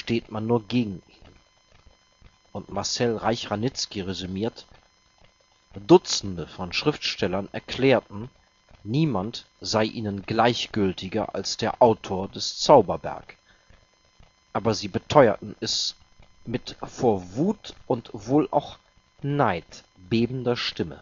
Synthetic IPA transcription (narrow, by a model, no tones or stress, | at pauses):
ʃteːtmanːuːɐɡeːɡŋ̩ʔiːnn | ʔʊntmaɐsɛlʁaɪçʁanɪt͡skiʁezymiːɐt | d̥ʊt͡sn̩dəfɔnʃʁ̥ɪftʃtɛlɐnɛɐkʰl̥ɛːɐtn̩ | niːmant | z̥aɪʔiːnənɡlaɪçɡ̥ʏltɪɡɐ̰ʔa̰lsd̥eːɐʔaʊtʰoːɐdɛst͡saʊbɐbɛ̰ɐk | ʔaːbɐziːbətʰɔʏɐ̰tn̩ɛs | mɪtfoːɐvuːtʔʊntv̥oːlʔa̰ʊx | naɪt | b̥eːbn̩dɐʃtɪmə̰